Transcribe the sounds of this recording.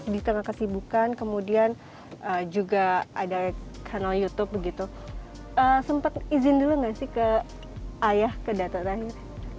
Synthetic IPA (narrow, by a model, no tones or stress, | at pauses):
dit̪əŋahkasibukankəmudian | əd͡ʒuɡaadakʰanaljut̪up̚bəɡit̪u | əsəmpat̪̚izɪnduluŋɡasɪhkə | ʔajahkədat̪at̪aɦɪr